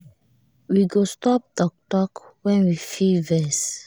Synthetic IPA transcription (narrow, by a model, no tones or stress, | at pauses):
wiɡostɔp̚dɔk̚tɔkwɛ̃nwifivɛs